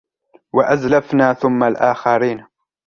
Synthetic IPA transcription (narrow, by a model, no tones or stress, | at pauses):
waʔazlafnaːθʊmːalʔaːxaɾiːn